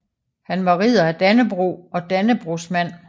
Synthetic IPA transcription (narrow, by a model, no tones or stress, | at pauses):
hænʋɑ̈ʁið̰ˠɐæd̥ænəb̥ʁṵɒ̽d̥ænəb̥ʁusmæn̰